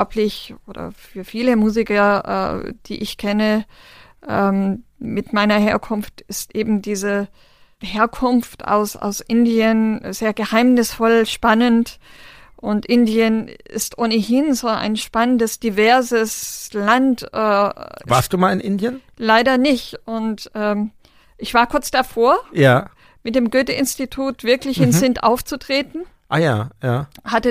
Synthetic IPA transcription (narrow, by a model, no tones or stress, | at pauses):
ɔpʰlɪçʔoːdɐ̰fyːɐfiːləmuːzɪkɐʔɛ̰d̥ḭːʔɪçkʰɛnə | ʔɛmmɪtmaɪnɐheːɐkʰʊnftɪstʔeːbm̩diːzə | heːɐkʰʊnfta̰ʊsa̰ʊsʔɪndiənzeːɐɡəhaɪmnɪsfɔlʃpanənt | ʔʊntʔɪndiənɪ̰stʔoːnəhɪnzoːʔa̰ɪnʃpanəndəsd̥ivɛɐzəslantʔɛːvvaɐstd̥uːmaːlɪnʔɪndiənlaɪɾɐnɪçtʊntʔɛː | ʔɪçv̥aːɐkʰʊɐt͡sd̥afoːɐjaː | mɪtd̥eːmɡøːtəʔɪnstitʰuːtv̥ɪɐklɪçɪnzɪntʔa̰ʊft͡sutʁ̥eːtn̩ | ʔaːjaːjaːhatə